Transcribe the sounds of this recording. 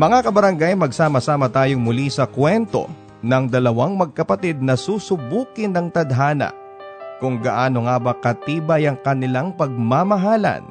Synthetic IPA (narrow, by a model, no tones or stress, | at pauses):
mɐŋakɐbɐɾɐŋɡajmɐɡsaːmɐsaːmɐt̪aːjoŋmʊlisɐkwɛnt̪o̞̰ | nɐŋd̪ɐlɐwaŋmɐɡ̚kɐpɐt̪id̪̚nɐsusʊbuːkɪnːɐŋt̪ɐd̪ɦaːnɐ̰ | kʊŋɡɐʔaːno̞ŋaːbɐkɐt̪iːbɐjɐŋkɐnɪlaŋpɐɡ̚mamɐɦaːlɐ̰n